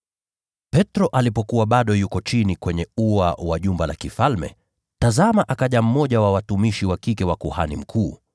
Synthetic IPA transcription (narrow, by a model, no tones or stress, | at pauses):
pɛtɾɔʔalipɔkuwaɓaɗɔjukɔt͡ʃinikwɛɲɛua̰waʄumbala̰kifalmɛ̰ | tazamaʔakaʄam̩mɔʄawawatumiʃiwakikɛwakuha̰nḭm̩kʰuː